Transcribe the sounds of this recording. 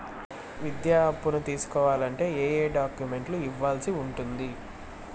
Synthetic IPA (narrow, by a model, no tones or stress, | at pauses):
ʋid̪jaːpːunut̪iːsu̥kɔːʋaːlɐɳʈe̞ːeːjeːɖaːkjume̞ɳʈluiʋːaːlsiuɳʈund̪i